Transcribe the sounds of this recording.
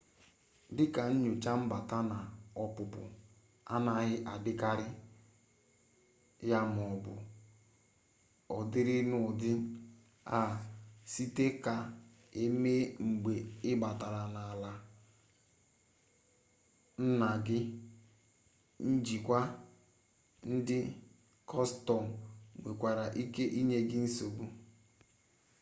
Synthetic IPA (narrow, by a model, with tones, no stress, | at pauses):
dɪ˦ka˨n̩˦ɲo˨t͡ʃa˦m̩˦ba˨ta˦na˨ɔ˦pʊ˨pʊ̰˨ | a˦na˨ɦɪ˦ʔa˨dɪ˦ka˦ɾɪ˦ | ja˦m˨ɔ˨bʊ̰˨ | ɔ˨dɪ˦ɾɪ˦nʊ˨dɪ˦ | a˨si˦te˦ka˨ | e˦me˦ŋ͡m̩˨ɡ͡be˨ɪ˦ba˨ta˨ɾa˨na˨la˨ | n̩˦na˨ɡɪ˦ | n̩˦d͡ʒi˨kʷa˦ | n̩˦dɪ˦ | kʰɔ˦stɔ˨m̩˨ŋʷe˨kʷa˨ɾa˨ʔi˦ke˦ʔi˦ɲe˦ɡɪ˦n̩˦so˨bu˦